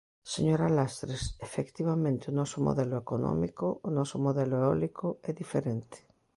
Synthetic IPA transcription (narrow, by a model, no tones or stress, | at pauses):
seɲoɾalast̪ɾesefekt̪iβamẽnt̪ɪʊnɔsomo̰ðɛlʊekonɔ̰mikoːnɔsomoðɛloeɔlikʊɛðifeɾẽnt̪ɪ̥